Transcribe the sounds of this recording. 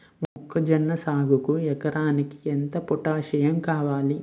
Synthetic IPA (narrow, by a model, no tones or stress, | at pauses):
mɔkːɐd͡ʒɐnːɐsaːɡʱukuɛkɐɾaːniki̥ent̪ɐpɔʈaːʃɐjɐmkaːʋaːli